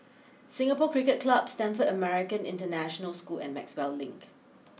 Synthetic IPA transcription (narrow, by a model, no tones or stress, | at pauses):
sɪ̃ŋəpɔkɹikət̚kʰlabstɛ̃nfədəmɛɹɪkə̃nɪ̰̃ntənæʃənəlskulɛ̰̃nmɛ̰kswɛlːɪ̃ŋk